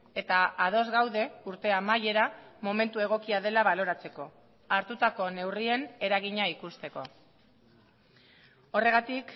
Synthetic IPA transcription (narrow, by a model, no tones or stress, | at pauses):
e̞t̪aað̞o̞zɣawðe̞uɾt̪e̞amaje̞ɾamo̞me̞nt̪ue̞ɣ̞o̞kiað̞e̞laβalo̞ɾat͡se̞ko̞ | aɾt̪ut̪ako̞ne̞wrie̞ne̞ɾaɣ̞iɲaikust̪e̞ko̞̰ | o̞re̞ɣat̪ik